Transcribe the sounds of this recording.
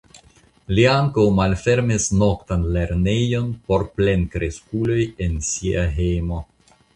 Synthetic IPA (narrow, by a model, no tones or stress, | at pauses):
liaŋkawmalfe̞ɾmisno̞kt̪anle̞ɾne̞jo̞npo̞ɾple̞nkɾeskulo̞je̞nsiaɦejmo̞